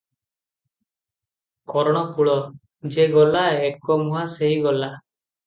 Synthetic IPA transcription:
kɔɾɔɽ̃ɔkuɭɔ | d͡ʒeɡɔlaekɔmuɦaseɦiɡɔla

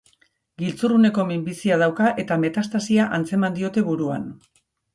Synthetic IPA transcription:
ɡilt͡surune̞ko̞mimbisiað̞awkaʔe̞t̪ame̞t̪ast̪asiaʔant͡se̞mand̪io̞t̪e̞βuɾua̰n

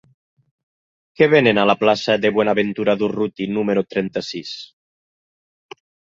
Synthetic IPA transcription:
keβenenalaplasaðeβwɔnaβent̪uɾaðurut̪inumeɾot̪ɾɛnt̪asis

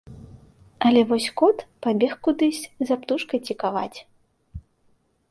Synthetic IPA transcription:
ɐlʲɛvɔsʲkɔt̪pabʲɛxkud̪ɨsʲzapt̪uʂkɐjt͡sʲikava̰t͡sʲ

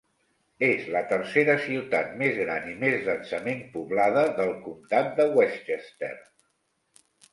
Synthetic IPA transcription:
ezlət̪ərseɾəsiwt̪at̪̚mezɣɾanimezlənsəmempuβlaðəðəlˠkumt̪at̪̚d̪əwɛst̪est̪ḛr

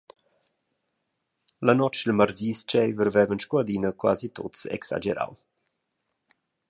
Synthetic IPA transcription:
lanɔt͡ʃəlmaɾziːst͡ʃɛjvəɾvɛvənʃkuad̪inəkwa̰zit̪o̰tsḛksa̰d͡ʒeɾa̰w

